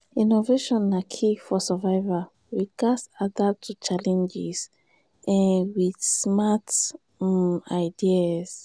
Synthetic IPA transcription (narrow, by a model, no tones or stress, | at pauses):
inoveʃɔ̃nːakʰifɔsəvaɪva | wiɡasadatʰut͡ʃalɛ̃nd͡ʒiz | ʔãnwismat | aɪdias